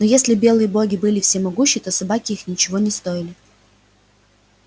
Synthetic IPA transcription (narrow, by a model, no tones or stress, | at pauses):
nojesʲlʲɪbʲe̞lˠɨjəbo̞ɡʲɪbɨlʲɪfsʲemɐɡuɕːɪt̪o̞sɐbakʲɪixnʲɪt͡ɕɪvo̞nʲɪst̪o̞jɪlʲɪ